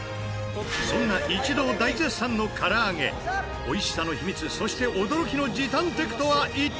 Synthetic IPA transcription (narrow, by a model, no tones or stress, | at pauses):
sõ̞nːaʔit͡ɕid̪o̞ːd̪aizesãnːo̞kʰaɾaːŋe̞̰ | o̞iɕi̥sano̞çimʲit͡sɨso̞ɕi̥t̪e̞ʔod̪o̞ɾo̞kʲino̞d͡ʑit̪ãnt̪e̞kɯ̟̥t̪o̞βaʔi